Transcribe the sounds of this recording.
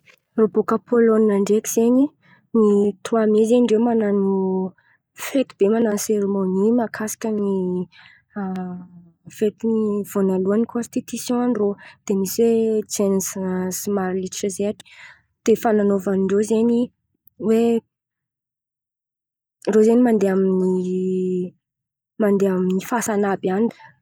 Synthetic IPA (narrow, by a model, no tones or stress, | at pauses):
robokapʰoloniaɳɖ͡ʐekiz̥eɲi | nit̪ʰuamezeɳɖ͡ʐemananu | fet̪ib̥emananseɾemonimakʰasi̥kʲəni | fet̪inivonaluanikʰɔ̃nst̪it̪isjɔ̃anrod̪̥emiswet͡senəssimaɾiliʈ͡ʂəzeaʈ͡ʂi̥ | d̪̥efananovaniɳɖ͡ʐozeni | we | rozenimand̪eamini | mand̪eaminifasanabani̥